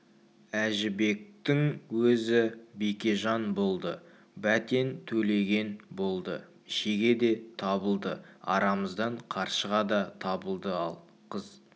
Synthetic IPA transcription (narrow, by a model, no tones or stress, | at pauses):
æʒɪbe̞k̚t̪ɪŋwɵzɪbekʲe̞ʒɑnbo̞lˠd̪ə | bæt̪e̞nt̪ʰɵle̞ɡʲe̞nbo̞lˠd̪ə̰ | ɪʃeɡʲe̞d̪e̞t̪ʰɑbəlˠd̪əɑ̰ɾɑməzd̪ɑɴqʰɑɾʃəʁɑd̪ɑt̪ʰɑbəlˠd̪əɑlˠ | qʰəz̥